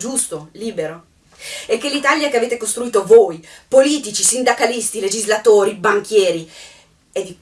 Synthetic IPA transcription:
d͡ʒust̪oliːbeɾo | ekːelit̪aljakeaveːt̪ekost̪ɾuiːt̪ovoːjpoliːt̪it͡ʃisind̪akalist̪iled͡ʒizlat̪oːɾibaŋkjɛːɾi | ed̪i

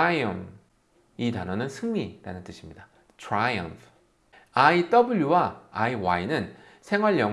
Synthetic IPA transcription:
ajʌm | itanʌnɯnsʰɯŋmiɾanɯnt͈ɯɕʰimɲida | tʰɾajʌ̰mpʰ | ait͈ʌbɯʎjuwaaiwainɯn | sʰe̞ŋwaɭjʌ

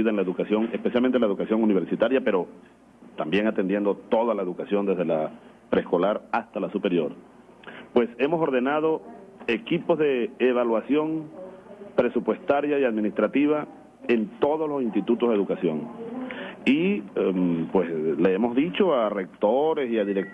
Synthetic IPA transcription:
iðaenlae̞ðukasjo̞ŋe̞spesjalmenelaeðukasjo̞ŋuniβ̞e̞ɾsit̪aɾjape̞ɾo̞ | t̪ambjeŋat̪end̪je̞nd̪o̞t̪o̞ðalae̞ðukasjo̞nd̪ezð̞ela | pɾesko̞laɾast̪alasupe̞ɾjo̞ɾ | pwe̞se̞mo̞so̞ɾðe̞nað̞o̞e̞kipo̞zðe̞ːβ̞alwasjo̞ŋ | pɾe̞supwe̞st̪aɾjaiaðmĩnist̪ɾat̪iβ̞a | e̞nt̪o̞ðoslosinst̪it̪ut̪oðeðukasjo̞ŋ | impwesleemo̞zðit͡ʃo̞are̞k̚t̪oɾe̞siaðiɾek̚

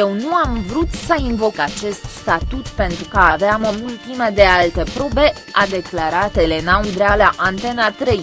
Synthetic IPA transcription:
je̞wnuamvɾut̪səinvo̞kat͡ʃe̞st̪st̪at̪ut̪pe̞nt̪ɾukaaveaməult̪iməd̪e̞alt̪e̞pɾo̞be̞ | ad̪e̞klaɾat̪ele̞naund̪ɾealaʔant̪e̞nat̪ɾej

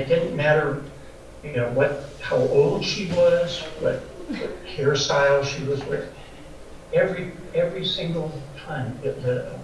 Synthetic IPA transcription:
ɨt̚d̥ɪdⁿn̩mæɾə˞ | jɨnoʊwʌt̚haʊʔoʊlˠd̥ʃiwʌz̥wʌ̰t̚wʌt̚kʰɛɹɨsaɪlˠʃiwʌzwə˞ | ɛvɹi | ɛvɹisɪ̃ŋɡl̩ˠtʰãɪ̃mɨðɨ

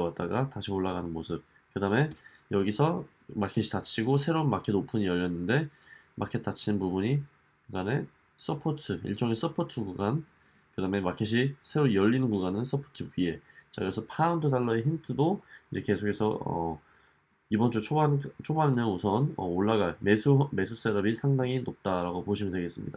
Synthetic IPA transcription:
wat̚t͈aɡataɕʰioɭːaɣanɯnmosʰɯp̚ | kɯdaɦme̞ | jʌɡisʰʌ | makʰeɕʰi̥t͈at͡ɕʰiɡosʰe̞ɾonmakʰedopʰɯɲijʌʎjʌnːɯnde̞mʔa̰kʰe̞t̚ʰt͈at͡ɕʰinɯnpubuɲi | kuɡane̞ | s͈ʌpʰotʰɯḭɭt͡ɕ͈ʌŋes͈ʌpʰotʰɯɡuɡan | kɯdame̞makʰeɕ̬ʰisʰe̞ɾojʌʎːinɯnkuɡanɯns͈ʌpʰo̥tʰɯɥie̞t͡ɕakɯɾesʰʌpʰaaundʰɯdaɭːʌeçintʰɯdoid͡ʑe̞ke̞sʰokʰe̞sʰʌ̰ʌ̰ | ibʌnt͡ɕ͈ut͡ɕʰoant͡ɕʰoɡanɯnʌusʰʌnʌ̰oɭːaɣaɭme̞sʰume̞sʰus͈e̞ɾʌbisʰaŋdaŋinop̚t͈aɾaɡopoɕʰimɯndweɡe̞s͈ɯmɲḭda

